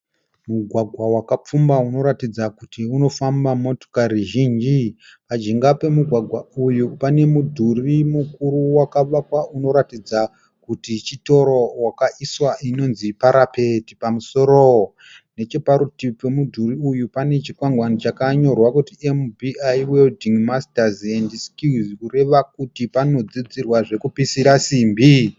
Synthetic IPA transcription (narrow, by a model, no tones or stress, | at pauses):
muɡʱwaɡʱwawakap͡fumbauno̞ɾatid͡zakutiuno̞fambamo̞to̥kariʒiːnd͡ʒi | pad͡ʒiŋɡape̞muɡʱwaɡʱwaujupane̞mudʱurimukuɾuwakaʋakwauno̞ɾatid͡za | kutit͡ʃito̞ɾowakaʔiswaʔino̞nzipaɾapetipamuso̞ɾo | ne̞t͡ʃe̞paɾutip͡fe̞mudʱuriujupane̞t͡ʃikwaŋɡwanit͡ʃakaɲo̞rwakutiembiajweldiŋmastazendiskuzkure̞ʋakutipano̞d͡zid͡zirwaʐe̞kupisiɾasiːmbi